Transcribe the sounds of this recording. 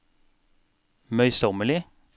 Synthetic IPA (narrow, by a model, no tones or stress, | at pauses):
mœʏsɔməlɪ